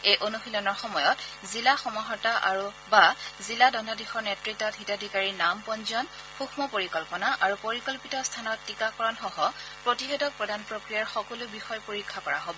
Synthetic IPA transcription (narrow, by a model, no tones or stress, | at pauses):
ejʔonuxilɔnɔɹxɔmɔjɔtzilaxɔmɔɦɔtaʔa̰ɹu | baziladɔndadixɔɹnɛtɹitːɔthitadʱikaɹinampɔnzɔn | xuxʰmɔpoɹikɔlpɔnaʔaɹupoɹikɔlpitɔstʰanɔtːikakɔɹɔnxɔɦɔpɹotiɦetɔk̚pɹɔdʱanpɹokɹijaɹxɔkɔlubixɔjpoɹikʰːakɔɹa̰ɦobɔ